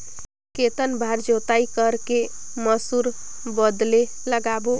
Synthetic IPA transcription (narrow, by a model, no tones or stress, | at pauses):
ket̪ənbʱaɾd͡ʒot̪aikəɾkeməsuɾbəd̪leləɡabo